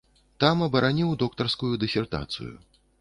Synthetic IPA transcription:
t̪amɐbɐɾʔanʲiwd̪ɔkt̪ɐrskujud̪ɨsʲɛrt̪a̰t̪sɨ̰jṵ

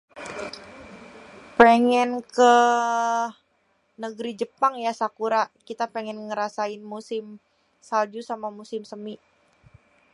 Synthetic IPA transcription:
pɛŋɛnkə | nəɡɾid͡ʒəpaŋjasakuɾakit̪apɛŋɛnŋəɾasaɪnmusɪm | sald͡ʒusamamusɪmsəmi

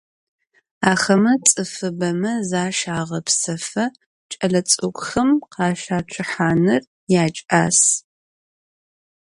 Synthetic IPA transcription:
aːxɐmɐt͡sʼɨfɨbɐmɐzaːʃaːʁɐpsɐfɐ | t͡ʃʼɐɮɐt͡sʼokʷʼxɐmqɑːʃaːʈ͡ʂʷʰɨħaːnɨr | jaːt͡ʃʼa̰ːs

